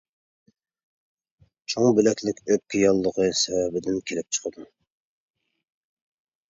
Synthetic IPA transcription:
t͡ʃʰoŋbɪlɛkʲlɪkʲøp̚kʲɪjɑlˠːəʁəsɛwɛbɪd̪ɪnkʲʰelɪp̚t͡ʃʰə̥qʰəd̪u

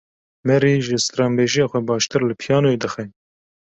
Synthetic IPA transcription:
mɛɾiːʒɨst̪ɾɑːmbeːʒijɑxʷɛbɑːʃt̪ɨɾlɨpʰijɑːnoed̪ɨxɛ

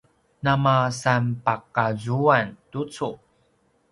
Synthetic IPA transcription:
namasanpakazuantut͡su

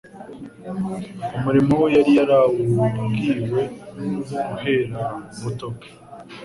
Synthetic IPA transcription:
umuɾimowejaɾijaɾawuɡiːwe̞ | ɡuɦe̞ːɾamutoke̥

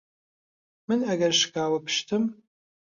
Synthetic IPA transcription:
mɨnɐɡɐrʃkʰaːwɐpʰɨ̥ʃtʰɨm

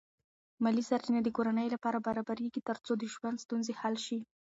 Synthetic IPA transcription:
malisaɾt͡ʃinad̪əkoɾanəjlapɑɾabaɾɑbaɾeɡit̪əɾt͡sod̪əʒwand̪st̪unzehalʃi

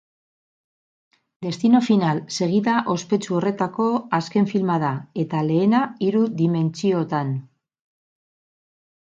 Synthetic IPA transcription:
d̪e̞st̪ino̞finalse̞ɣ̞iðaʔo̞spe̞t͡ʃuo̞re̞t̪ako̞aske̞ɱfilmað̞ae̞t̪ale̞ːnaiɾuðime̞nt͡sio̞t̪an

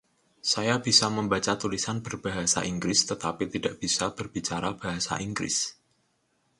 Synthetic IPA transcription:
sajab̥isaməmbat͡ʃat̪ulisanbərb̥aɦasa̰ʔiŋɡɾɪst̪ət̪apit̪idaʔb̥isab̥ərbit͡ʃaɾabaɦasa̰ʔiŋɡɾɪ̰s

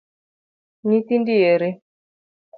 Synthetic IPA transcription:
nit̪indieɾe | k

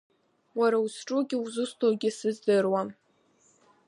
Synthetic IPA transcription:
waɾausʈ͡ʂʼuɡʲɪuzɨstʰoɡʲɪsɨzdɨrwam

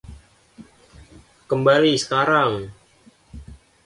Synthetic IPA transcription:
kəmbalisə̥kaɾaŋ

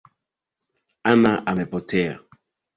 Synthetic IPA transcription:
anaʔamɛpɔtʰɛa̰

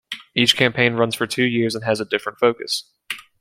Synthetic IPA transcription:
it͡ʃkʰæ̃mpʰẽɪ̃nɹʌ̃nz̥fə˞tʰʉjɪɹzə̃nɨzədɪfɹə̃ntfoʊkɨ̰s

